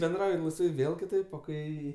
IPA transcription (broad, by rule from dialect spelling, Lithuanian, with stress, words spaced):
bʲɛnˈdrɐʊjɪ lˠɐɪsˈʋɐɪ ˈʋʲeːlˠ kʲɪˈtɐɪp oː ˈkɐɪ